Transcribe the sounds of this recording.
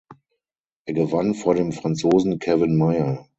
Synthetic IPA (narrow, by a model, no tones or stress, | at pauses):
ʔeːɐɡəvanfoːɐɾeːmfʁ̥ant͡soːzn̩kʰɛvɪnmaɪɐ